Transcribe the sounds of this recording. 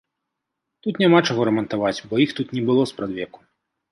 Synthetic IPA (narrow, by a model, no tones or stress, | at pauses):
t̪ut̪nʲamat͡ʂaɣɔɾɐmɐnt̪avat͡sʲbɔjixt̪ut̪nʲɛbɨlˠɔspɾad̪vʲɛku̥